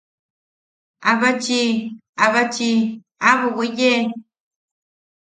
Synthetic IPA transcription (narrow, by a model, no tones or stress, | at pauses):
aβat͡ʃiaβat͡ʃi | aβuwije